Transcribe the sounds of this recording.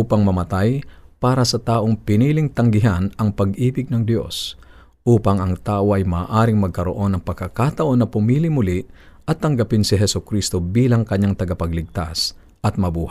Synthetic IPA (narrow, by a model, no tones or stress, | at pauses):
uːpɐŋmɐmɐt̪ajpaːɾɐsɐt̪aːʔo̞ŋpɪniːlɪŋt̪ɐŋɡɪɦanɐŋpɐɡʔiːbɪɡ̚nɐŋd̪jo̞̰s | ʔuːpɐŋɐŋt̪aːʔo̞ʔɐjmaːʔaːɾɪŋmɐɡ̚kɐɾo̞ʔo̞nɐŋpɐɡ̚kːɐkaːt̪ɐʔo̞nːɐpʊmiːlɪmʊliʔɐt̪ːɐŋɡɐpɪnsɪɦɛsʊkɾist̪o̞biːlɐŋkɐɲaŋt̪ɐɡɐpɐɡlɪɡ̚t̪a̰s | ʔɐt̪̚mɐbuːha